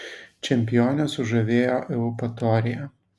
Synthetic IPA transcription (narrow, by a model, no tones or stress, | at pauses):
t͡ʃʲɛmʲpʲɪjoːnʲɛsʊʒɐʋʲeːjoːʔɛʊpɐt̪oːɾʲɪjɛ